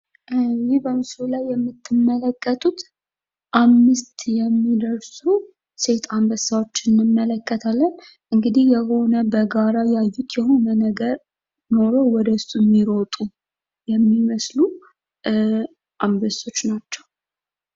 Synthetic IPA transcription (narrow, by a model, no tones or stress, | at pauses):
jɪhbəmɨsulajːɛmːɨt̪ʰːɨmːələkʼːət̪ʼut̪ | ʔamːɨst̪jɛmːid̪əɾsu | se̞t̪ʰambəsawo̞t͡ʃːɪnːɨmːələkʼːət̪ʰalːən | ʔɨŋɡɨd̪ihjɛho̞nəbəɡaɾajajːut̪jɛho̞nənəɡəɾ | no̞ɾo̞wɔd̪əsumːiɾo̞t̪ʼu | jɛmːiməslu | ʔambəso̞t͡ʃːnat͡ʃːɛw